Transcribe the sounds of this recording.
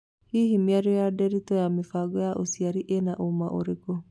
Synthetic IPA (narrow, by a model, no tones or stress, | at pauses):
hiɦimiaɾɔjadɛɾitɔjamefaɡɔjaʔosiaɾiʔenaʔomaʔo̰ɾeɡo